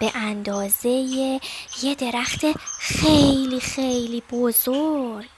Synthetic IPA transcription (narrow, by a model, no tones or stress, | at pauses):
b̥eʔænd̪ɒːze̞jejed̪e̞ɾæxt̪ʰexejlixejlibozoɾɾɡ̥